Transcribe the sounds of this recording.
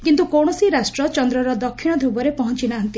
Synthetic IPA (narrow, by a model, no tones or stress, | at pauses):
kint̪ukoɽ̃ɔsiɾasʈɾɔt͡ʃɔnd̪ɾɔɾɔd̪ɔkʰːiɽ̃ɔd̪ʱubɔɾepɔɦɔnt͡ʃinaɦɔnt̪i